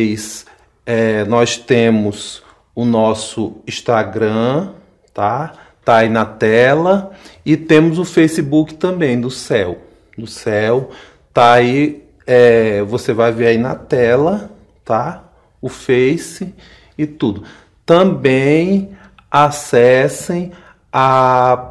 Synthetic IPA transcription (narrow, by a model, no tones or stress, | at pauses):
js | ɛnɔjst̪ẽmʊz | ʊnɔsʊĩʃt̪aɡɾɐ̃ | t̪a | t̪aainɐt̪ɛlɐɪt̪ẽmʊzʊfejsibukɪ̥t̪ɐ̃mbẽj̃d̪ʊsɛw | d̪ʊsɛw | t̪aai | ɛvosevajveɾainɐt̪ɛlɐ | t̪a | ʊfejsɪ | ɪt̪ud̪ʊ | t̪ɐ̃bẽj̃ | asɛsẽj̃ | a